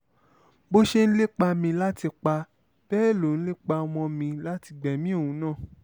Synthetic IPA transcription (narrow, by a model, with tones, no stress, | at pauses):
bo˦ʃe˦ñ̩˦le˦k͡pa˧mĩ˧la˦ti˧k͡pa˧ | b̥ɛː˦˨lo˨ñ̩˦le˦k͡pa˧mɔ̃˧mĩ˧la˦ti˧ɡ͡bɛ˨mĩ˦o˦˨ũ˨˦nãː˦˨